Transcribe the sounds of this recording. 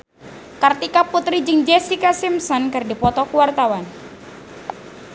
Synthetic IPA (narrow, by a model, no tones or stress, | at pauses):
kart̪ikaput̪ɾid͡ʒɨŋd͡ʒɛsikasimsɔnkɨrdipɔt̪ɔkuwart̪awan